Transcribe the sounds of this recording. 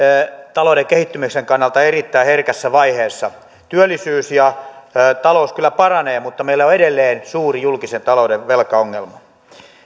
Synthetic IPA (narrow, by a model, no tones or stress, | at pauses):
t̪ɑloudekehit̪ːymikseŋkɑnːɑlt̪ɑerit̪ːæːherkæsːæʋɑiheːsːɑ | t̪yølːˑisyːsjɑt̪ɑlouskylːˑæpɑrɑneːmut̪ːɑmeilːæoedelːeːnsuːrijulkisent̪ɑloudeʋʋelkɑoŋːelmɑ